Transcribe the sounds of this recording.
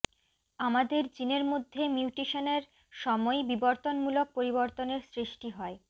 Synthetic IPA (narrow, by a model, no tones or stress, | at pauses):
amad̪eɾd͡ʑineɾmod̪ʱːemjuuʈiʃoneɾ | ʃɔmɔebiboɾt̪onmulok̚poɾiboɾt̪oneɾsɾiʃʈiɦɔe